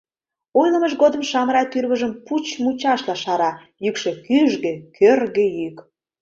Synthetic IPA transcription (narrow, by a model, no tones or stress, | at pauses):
ojlə̆məʒɣod̪ə̆mʃɑmɾɑt̪yrβə̆ʒəmput͡ɕmut͡ɕɑʃlɑʃɑɾɑ | jykʃĕkyʒɣĕkʰørɣejyk